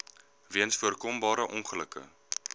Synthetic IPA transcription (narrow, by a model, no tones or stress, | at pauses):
viənsfuərkɔmbɑːɾəʔɔnχələkə̰